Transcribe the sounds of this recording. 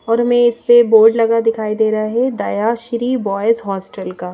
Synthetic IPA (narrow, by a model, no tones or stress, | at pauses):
ɔːɾɦmẽɪspeboːɾɖlɐɡad̪ɪkʰaːid̪eːɾɐaɦɛd̪aːjaːʃɾibɔːjɪzɦɔːsʈəlkaː